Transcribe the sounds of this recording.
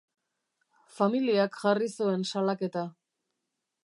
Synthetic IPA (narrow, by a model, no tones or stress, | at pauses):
familiakʝarisue̞nsalake̞t̪a